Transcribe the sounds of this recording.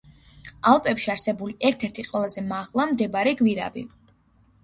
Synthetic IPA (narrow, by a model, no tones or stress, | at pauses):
alˠpʼɛpʃiaɾsɛbuliʔɛɾt̪ʰɛɾt̪ʰiqʼwɛlˠazɛmaʁlˠamd̪ɛbaɾiɡviɾa̰bḭ